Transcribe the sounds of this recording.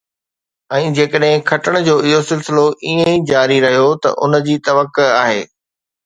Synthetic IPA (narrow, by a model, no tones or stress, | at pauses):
ɛ̃ːd͡ʑeːkəɗɦɪ̃kʰɐʈəɽ̃̆d͡ʑoːɪɦosɪlsɪloʔiːẽid͡ʑaːɾiɾɐɦijot̪ɐ̰ʔʊ̰nə̆d͡ʑiːt̪ɐʋəkʊaːɦḛː